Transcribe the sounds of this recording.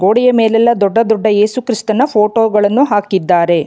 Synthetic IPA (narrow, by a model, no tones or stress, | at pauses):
ɡo̞ːɽɛjɐmeːlɛlːɐd̪ɔɖːɐd̪ɔɖːɐeːsukɾist̪ɐnɐpʰoːʈoːɡɐɭɐnːuɦaːkid̪ːaːɾe̞